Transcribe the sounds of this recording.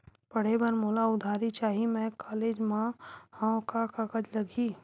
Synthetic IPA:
pɐɽ̤ebəɾmoːlaʊd̪ʱaːɾit͡ʃaːɦimɛ̃kaːleːd͡ʒmãhãkakakəd͡ʒlɐɡʱiː

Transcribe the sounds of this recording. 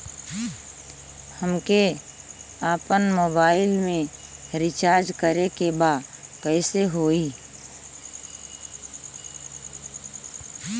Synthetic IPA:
həmke | aːpənmoːbaːɪlmẽɾɪt͡ʃaːɾd͡ʒkəɾekebaːd̪kɛɪseɦoːiː

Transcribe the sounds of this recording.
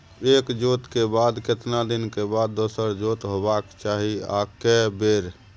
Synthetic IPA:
ekd͡ʒot̪kebad̪ket̪nad̪inkebad̪ːosəɾd͡ʒot̪ɦobakt͡ʃaɦia̰kɛbeɾ

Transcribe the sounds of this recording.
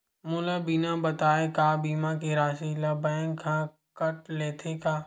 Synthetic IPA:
mʊlabinabət̪aːekaːbiːmãkiɾaːʃilɐbə̃ŋkʰã | kəʈleːt̪ʰekaː

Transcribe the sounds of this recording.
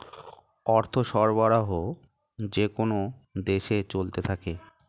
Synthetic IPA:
ɔɾt̪ʰoʃɔɾbaɾaɦo | d͡ʑekonod̪eʃet͡ɕolt̪et̪ʰake

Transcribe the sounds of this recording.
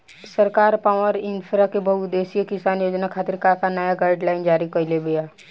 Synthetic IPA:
səɾkaːɾpaːʋəɾɪ̃npʰɾakebɐɦʊd̪eːsijekɪsaːnjoːd͡ʒnakʰaːt̪ɪɾkakanəjaɡaːɪɖlaːɪnd͡ʒaːɾikɐlebejaː

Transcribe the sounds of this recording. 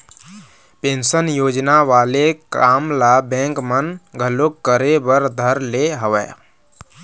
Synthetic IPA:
pẽːnsənjoːd͡ʒnaʋaːlekaːmlabɛ̃ːŋkmənɡʱəlokːəɾebəɾd̪ʱəɾleɦəʋɛ̰ː

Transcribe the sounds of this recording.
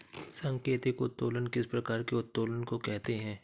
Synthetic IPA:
sɐ̃ŋkeːt̪ɪkʊt̪ːoːlənkɪspɾɐkaːɾkeʊt̪ːoːlənkokɛɦt̪eɦɛ̃ː

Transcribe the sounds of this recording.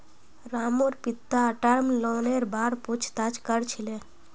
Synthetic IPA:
ɾamoɾpit̪ːaəʈəɾmloneɾbaɾput͡ʃʰt̪at͡ʃkəɾt͡ʃʰile

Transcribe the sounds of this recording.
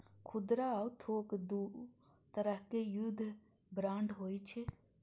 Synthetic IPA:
kʰʊd̪ɾaut̪ʰoːkd̪u | t̪əɾəɦkejud̪ʱ | bɾaːɳɖɦoːit͡ʃʰe

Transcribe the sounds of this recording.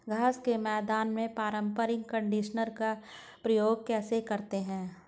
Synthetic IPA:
ɡʱaːskemɛːd̪aːnmẽpaːɾə̃mpəɾɪ̃ŋɡ̚kə̃ɳɖiːʃənəɾka | pɾɐjoːɡkɛːsekɐɾt̪eɦɛ̃ː

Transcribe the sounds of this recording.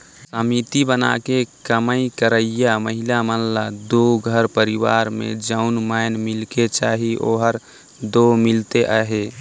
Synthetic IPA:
səmit̪ibəna̰kekəməikəɾəijaməɦilamənlad̪oɡʱəɾpəɾiwa̰ɾmḛ̃d͡ʒəʊnmanmilket͡ʃaːɦiʔo̰ɦəɾ | d̪omilt̪eʔəɦe

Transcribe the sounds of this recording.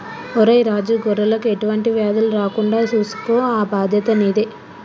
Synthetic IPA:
ɔɾɐjɾaːd͡ʒuːɡɔɾːɐlɐkueʈuʋɐɳʈiʋaːd̪ɐluɾaːkuɳɖaːt͡ʃuːsu̥poːaːbaːd̪ʱjɐt̪ɐniːd̪e

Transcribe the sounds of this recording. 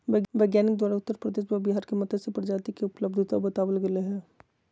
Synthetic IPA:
ʋeːɡʋɛːɡjaːnɪk̚d̪waːɾaʊt̪ːəɾpɾəd̪eːʃbabiɦaːɾkemɐt̪ʰəd̪sepɾd͡ʒaːt̪ikeʊpləbd̪ʱt̪abət̪aːʋəlɡɐleɦɛ̃ː

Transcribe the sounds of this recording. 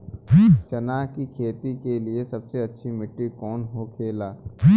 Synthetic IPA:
t͡ʃɐnaːkikʰeːt̪ikeliesɐbseɐtːʃʰimɪʈːikɔːnɦokʰeːlaː

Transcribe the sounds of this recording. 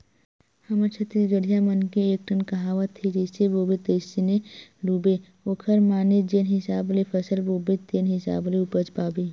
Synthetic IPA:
həməɾt͡ʃʰɐt̪iɡəɽ̤ʱijamənkeek̚ʈʰənkɐɦaːʋət̪ʰːed͡ʒeseboːbet̪eɪsineɾuːbe | oːkʰəɾmaːned͡ʒeːnɦɪsaːblepʰəsəlboːbet̪eːnɦɪsa̰ːbleupəd͡ʒpaːbe

